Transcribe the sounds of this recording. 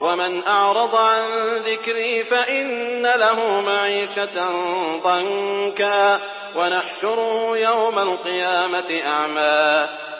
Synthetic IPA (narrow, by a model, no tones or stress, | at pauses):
wamɪnʔɑʕɾˤɑd̪ˤʕanðɪkɾiːfaʔɪnːalaɦʊmaʕiːʃat̪nðˤɑŋkaː | wanaħʃʊɾjawmalqɨjaːmat̪ɪʔaʕmaː